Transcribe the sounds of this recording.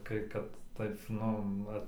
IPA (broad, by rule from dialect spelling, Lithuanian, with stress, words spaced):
ˈkɐɪ kɐt ˈtɐɪp ˈnʊ ˈʋɐ